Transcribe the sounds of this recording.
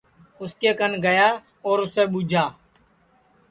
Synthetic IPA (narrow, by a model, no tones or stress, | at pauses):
ʊskeːkənɡəjaː | oːɾʊseːɓʊd͡ʒʱaː